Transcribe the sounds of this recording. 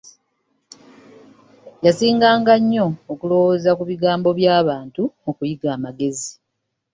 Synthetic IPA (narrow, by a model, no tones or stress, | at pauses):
jasiːŋɡaːŋɡaɲːo̞ːkulo̞wozakuβiɡaːmbo̞βjaːβaːntumukujiɡaːmaɡe̞zi